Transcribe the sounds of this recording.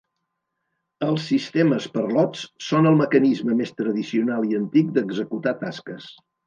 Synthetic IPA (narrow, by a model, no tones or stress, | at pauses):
əlˠsːist̪eməspərlɔt͡ssonəlˠməkənizməmest̪ɾəðisiunalˠiənt̪ik̚d̪əɡzəkut̪at̪askəs